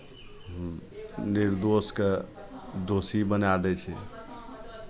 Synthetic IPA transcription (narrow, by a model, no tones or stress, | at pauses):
niɾd̪oske | d̪osibənad̪ɛt͡ʃʰɛ̰